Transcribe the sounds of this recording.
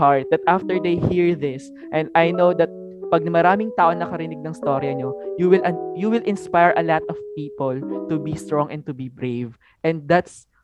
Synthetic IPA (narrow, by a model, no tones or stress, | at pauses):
haɹt̪̚d̪ɐt̪̚ʔaft̪ɛɹd̪ejhiɹðɪs | ʔɛ̃nd̪ʔajnowd̪ɐt̪̚ | pɐɡ̚nɐmɐɾaːmɪŋt̪aːʔoŋnɐkɐɾɪnɪɡ̚nɐ̃ŋɪst̪oɾjɐɲojuwɪlʔjuwɪlʔɪ̃nspajɹʔɐlat̪ɔvpiːpolt̪ubist̪ɹɔ̃ŋʔɛ̃n̚t̪ʊbibɹejv | ʔɛ̃nd̪̚d̪at̪s